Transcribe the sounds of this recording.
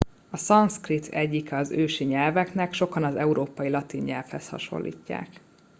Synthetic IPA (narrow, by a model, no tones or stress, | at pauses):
ɒsɒnskrit̪ʰɛɟːikɛɒzøːʃiɲɛlvɛknɛkʃo̞kɒnɒzɛuɾoːpɒjilɒt̪iɲɲɛlfhɛst̪hɒ̰ʃo̞̰lːḭːcːa̰ːk